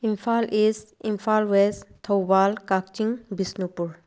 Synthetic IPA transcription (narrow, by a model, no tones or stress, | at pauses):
imfʰalisimfʰalwest̪ʰɔwbalkak̚t͡ʃiŋbisnupuɾ